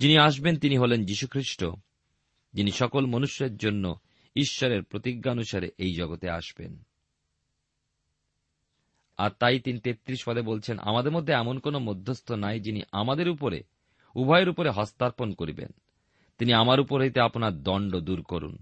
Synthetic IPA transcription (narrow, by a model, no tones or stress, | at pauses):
d͡ʑiniaʃ̬bent̪iniɦolend͡ʑiʃukʰɾiʃʈo̰ | d͡ʑiniʃɔkolmonuʃeɾd͡ʑonːo | iʃːoɾeɾpɾot̪iɡːaonuʃaɾḛʔejd͡ʑɔɡot̪ea̰ʃbḛn | a̰ɾt̪ajt̪init̪et̪ːɾiʃfad̪ʱebolt͡ɕʰenʔa̰mad̪eɾmod̪ʱːeɛmonkonomod̪ʱːost̪onajd͡ʑinḭʔa̰mad̪eɾupoɾḛ | ubʱɔeɾupoɾeɦɔst̪aɾponkoɾḭbḛn | t̪iniamaɾupoɾɦojt̪eaponaɾd̪ɔɳɖod̪uɾkoɾṵn